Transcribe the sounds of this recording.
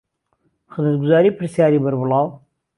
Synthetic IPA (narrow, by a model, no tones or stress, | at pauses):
xɨzmət̪ɡʊzaːɾiːpʰɨɾsjaːɾiːbɐɾbʊlˠɑːw